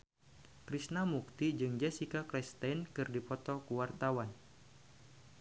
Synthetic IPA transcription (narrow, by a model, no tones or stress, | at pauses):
kɾisnamuk̚t̪id͡ʒɨŋd͡ʒasikaklɛst̪ajnkɨrdipɔt̪ɔkuwart̪awan